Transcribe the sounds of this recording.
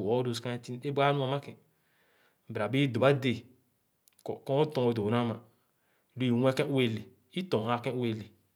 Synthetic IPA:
o˦ɾo˨ska˦ti˦ne˦ba˦u˦a˨ma˦kɛ˨ | ba˨be˦do˨a˦de˨ | kɔ˦o˦tɔ̃˨o˨do˨a˦ma˨ | du˦i˨wʷɛ˦kɛ̃˦u˦e˦˨le˨ | i˦tõ˨a˨kɛ̃˦u˦e˦˨le˨

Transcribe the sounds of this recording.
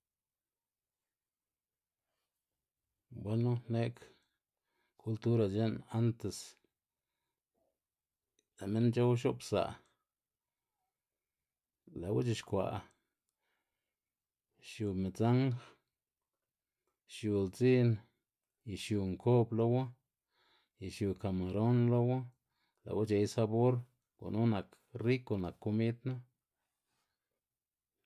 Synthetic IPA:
bʷa˦nu˦ne˦k | kʰu˦lt̪u˦ɾa˧˨d͡ʒe˦na˦nt̪e˨s | la˨me˦nt͡ʃa˦wʃo˦psa̰˨ | la˨wa̰˦t͡ʃi˧ʃkʷa̰˨ | ʃju˧˨me˨t͡sa˦ŋx | ʃju˨lt͡si˦n | ji˨ʃju˧˨ŋkʰo˦blo˦wa˦ | ji˨ʃju˨ka˨ma˨ɾo˦nlo˦wa˦ | la̰˨wa˦t͡ʃe˧jsa˧bo˦ɾ | kʷa̰˨nu˦na˨k | ri˦ko˧na˨kːo˦mi˦d̪na˦

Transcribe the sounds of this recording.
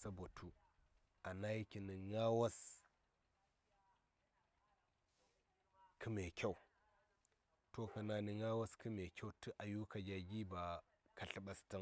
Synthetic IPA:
sa˦bo˨tʰu˦ | a˨na˦ji˦kʲi˨ni˨ŋa˦wa˦s | kʰɨ˦me˨kʲa˦u˨ | to˦kɐ˨na˨ni˨ŋa˦wa˦skɨ˦me˨kʲa˦u˨tɨ˦ʔa˨ju˦ka˨ɡʲa˨ɡʲi˦ba˨ | ka˨ɬi˨ɓa˨sti˦ŋ

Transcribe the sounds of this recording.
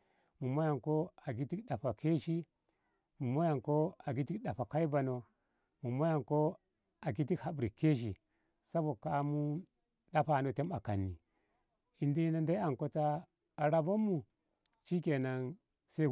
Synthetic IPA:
mu˨mo˦ja˨ŋko˦a˨ɡi˦ti˦kɗa˨fa˨kʰe˦ʃi˦ | mu˨mo˦ja˨ŋko˦a˨ɡi˦ti˦ɗa˨fa˨ka˦i˦ba˨no˨ | mu˨mo˦ja˨ŋko˦ | a˨ɡi˦ti˦kha˨bɾi˨ke˦ʃ̬i˨ | sa˦bo˨ka˦mu˦ | ɗa˦pa˨no˨te˦ma˨ka̰˨nːi˨ | i˨nde˦na˦nda˦i˦a˨ŋko˦taː˦˨ | ɾa˦bo˦mːu˨ | t͡ʃi˦ke˨na˨n | se˦

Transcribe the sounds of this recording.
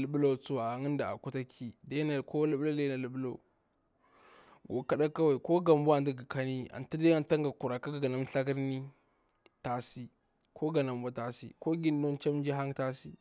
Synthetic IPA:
lə˨ɓu˦lo˦˨t͡su˦wa˨a˨ŋi˦n˦da˨a̰˨ku˦ta˦kʰi˨da˦na˨ko˦lu˦blo˦de˦na˨lu˨ɓu˦lo˨u˨ | ɡo˨ka˦ɗa˦ka˦wa˨i˨ko˦ɡa˨m˦bu˦a˨ndi˦ɡi˨ka˦ni˦a̰˨nta˦da˦a˨nta˦ŋɡa˨ku˨ɾa˨ka˦ɡa˨ɡa˨na˦m˦ɬa˦ka˦ɾni˦ | ta˦si˦ | kʰo˦ɡa˨na˨m˦bʷa˦ta˨sḭ˦ko˦ɡi˦n˦do˦nt͡ʃa˦m˦d͡ʒi˦ɦa˦ŋta˦sḭ˦

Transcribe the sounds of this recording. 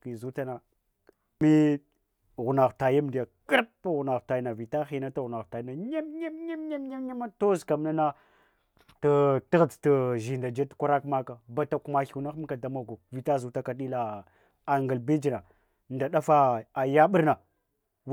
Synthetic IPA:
ki˨zu˦ta˦na˨ | mi˦˨ | ɣu˨na˨xta˨ja˦m˨da˨kə˦ɾpɣu˨na˨xta˨ji˦na˨vi˨ta˦xi˨na˦ta˦ɣu˨na˨xta˨ji˦na˨ɲe˦mɲe˦mɲe˦mɲe˦mɲa˦mɲa˦ma˦to˦zka˨mna˦na˦ | ta˦ti˦ɣə˨t͡stə˨ʒi˨nda˨d͡ʒe˦tkʷa˦ɾa˦kma˦ka˨ba˨ta˨ku˨ma˨ɬi˨wna˦xm˦ka˨da˨ma˦ɡu˨vi˨ta˦zu˨ta˦ka˨ɗi˦la˨ | a˨ŋɡə˨lbi˦d͡ʒi˨na˨ | nda˨ɗa˦fa˦a˨ja˦ɓə˦ɾna˨

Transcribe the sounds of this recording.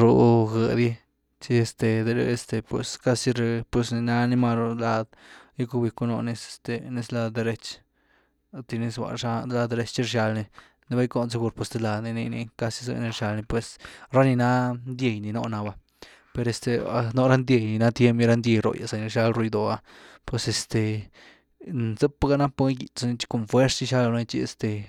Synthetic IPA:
ɾo˧ɡə˧˨d̪ji˦ | t͡ʃi˧e˧st̪e˧d̪e˧ɾe˧st̪e˧pwḛ˨ska˦si˧ɾe˧pwe˧sni˧na˦ni˧ma˧ɾo˧la˧d̪ji˦ku˧bi˧ku˧no̰˧ne˧st̪e˧ni˧sla˧d̪e˧ɾe˧t͡ʃ | t̪i˧ni˧swʷa̰˨ʂa˧d̪la˧d̪e˧ɾe˧˦t͡ʃt͡ʃi˧ɾʃa˧lni˧ | ni˧ba˦jko˧nt͡se˧˦ɡu˧ɾpwo˧sd̪e˧la˧d̪ni˧ni˧nḭ˧ka˧si˧zɨ̰˧ni˧ɾʃa˧lni˧pwe˧sɾa˦ni˧na˦nd̪je˧jni˧no̰˧˦na˧ba˧ | pe˧ɾe˧st̪e˧a˧no˦ɾa˦nd̪je˧jni˧na˦t̪je˦mpji˧ɾa˦nd̪ʲje˧ɾo̰˨ja̰˨sa˨ni˧ɾʃa˦lɾu˧jd̪o˨a˧pwe˧se˧st̪e˨ | nze˦pa˦ɡa˦na˦pa˦ɡi˨t͡sa˧ni˧t͡ʃi̥˦ko˨nfwe˦ɾst͡ʃi˦ʃa˦lo˧na˦t͡ʃi˧ḛ˧st̪e˧

